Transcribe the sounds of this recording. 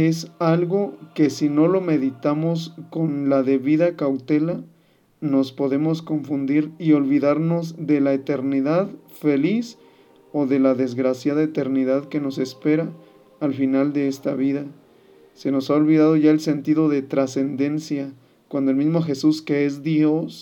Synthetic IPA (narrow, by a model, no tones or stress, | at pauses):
esalɣo̞ke̞sino̞lo̞me̞ðit̪amo̞sko̞nlaðe̞βiðakawt̪e̞la | no̞spo̞ðe̞mo̞sko̞ɱfund̪iɾio̞lβiðaɾno̞zðe̞laet̪e̞ɾniðað | fe̞lis | o̞ðe̞laðe̞zɣɾasjaðaet̪e̞ɾniðaðke̞no̞se̞spe̞ɾaː | lfinald̪e̞e̞st̪aβ̞iða | se̞no̞sao̞lβiðað̞o̞ʝae̞lse̞nt̪iðo̞ðe̞t̪ɾase̞nd̪e̞nsja | kwand̪oelmizmo̞xe̞suske̞ezðjos